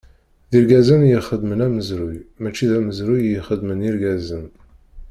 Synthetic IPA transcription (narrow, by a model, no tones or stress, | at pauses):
ðiɾɡæzænjiχəd̪mənæməzɾʊjmæt͡ʃːiðæməzɾujjiχəd̪məniɾɡæzən